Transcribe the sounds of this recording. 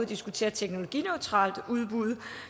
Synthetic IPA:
d̥isɡ̥ut͡sʰe̝̰ːɐt͡sʰeɡ̥no̝lo̝ɡ̥ḭnøʊt͡sʰʁɑ̰̈ːld̥uð̞ˠb̥uð̞ˠ

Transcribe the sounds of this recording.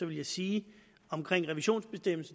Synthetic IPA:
ɒʋe̝ljɑ̈ɪsiː | ɒ̽mkʰʁeŋ̰ʁɛʋiɕo̝̰ːnsb̥e̝sd̥em̰l̩s

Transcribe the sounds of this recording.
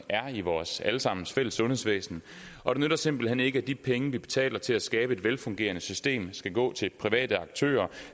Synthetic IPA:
æɐiʋɒːsæləsɑ̈m̰n̩sfel̰əsːɔ̽nhe̝̰sʋḛːsn̩ | ʔɒ̽d̥e̝nøɾ̥ɐse̝m̰b̥l̩hen̰e̝ɡ̥əæd̥ipʰeŋəʋib̥e̝̥t͡sʰɛ̰ːlɐt͡sʰe̝læsɡ̥ɛːb̥əe̝d̥ʋelfɔ̽ŋɡ̥e̝̰ːɐnəsysd̥e̝̰ːmsɡ̥æɡ̥ɔ̰̽ːt͡sʰe̝lpʰʁiʋɛ̰ːd̥əɑ̈ɡ̥t͡sʰø̰ːɐ

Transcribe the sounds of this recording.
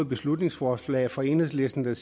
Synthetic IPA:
ð̩ˠb̥e̝slud̥ne̝ŋsfɒːslɛ̰ːfɒ̽e̝nheðˠsle̝sd̥n̩d̥æs

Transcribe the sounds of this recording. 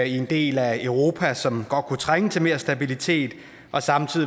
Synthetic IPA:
ie̝nd̥e̝̰ːlæœʊʁo̝ːpʰæsɒ̽mɡ̥ɒ̽d̥̚kʰut͡sʰʁaŋət͡sʰe̝me̝ɐsd̥æb̥ilit͡sʰe̝̰ːd̥ | ʔɒ̽sɑ̈mt͡sʰið̰ˠ

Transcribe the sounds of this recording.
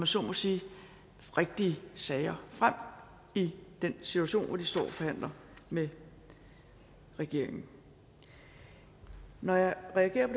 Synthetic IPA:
mæsɒmɒ̽siː | ʁeɡ̥̚d̥iəsɛːɪɐfʁam̰ | id̥ensit͡sʰuæɕo̝̰ːnʋɑd̥isd̥ɒ̰ːɒfɒ̽hæn̰lɐ | me | ʁɛɡ̥e̝ɐ̰e̝ŋn̩ | nɒjɑ̈ɪʁɛæɡ̥e̝̰ɐpʰ

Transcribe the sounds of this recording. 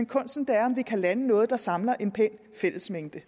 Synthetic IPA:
nkʰɔ̽n̰sd̥n̩d̥eæɐɒ̽mʋikʰælænənɔ̽ːð̞̩ˠd̥ɑ̈sɑ̈mlɐʔe̝npʰen̰ | fel̰əsmeŋ̰d̥ə

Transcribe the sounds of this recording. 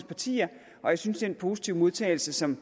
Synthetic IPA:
spʰɑ̈t͡sʰḭːɐ | ʔɒ̽jäɪsynsd̥enpʰo̝ːsi̥t͡sʰiʊ̰mo̝ð̞ˠt͡sʰɛ̰ɪl̩səsɒ̽m

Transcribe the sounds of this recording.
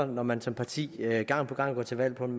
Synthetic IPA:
ɐnɒmænsɒ̽mpʰɑ̈t͡sʰḭːøɡ̥ɑ̈ŋ̰npʰɒ̽ɡ̥ɑ̈ŋ̰ɡ̥ɒ̰ːt͡sʰe̝ʋæl̰pʰɒ̽d̥m

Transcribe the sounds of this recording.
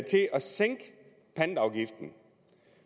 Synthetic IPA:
t͡sʰe̝ʔɒ̽seŋ̰ɡ̥ | pʰænd̥ɑ̈ʊɡ̥ifd̥n̩

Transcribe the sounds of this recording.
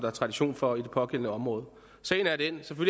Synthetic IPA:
d̥ɑ̈æɐt͡sʰʁɑ̈diɕo̰ːnfɒ̽id̥e̝pʰɒ̽ɡ̥en̰nəɒ̽mʁɔ̽ːð̞̩ˠ | sɛ̰ːɪn̩æɐden̰seføl

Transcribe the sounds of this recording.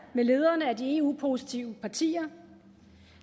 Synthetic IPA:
mele̝ːð̞ˠɐːnəæd̥ie̝ṵːpʰo̝si̥t͡sʰiʊəpʰɑ̈t͡sʰḭːɐ

